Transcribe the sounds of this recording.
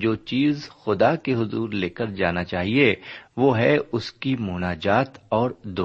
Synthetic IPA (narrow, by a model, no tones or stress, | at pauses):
d͡ʒoːt͡ʃiːzxʊd̪akeɦʊzuːɾleːkəɾd͡ʒaːnat͡ʃaːɦieʋoːɦɛʊskimʊːnaːd͡ʒaːt̪ɔːɾd̪oː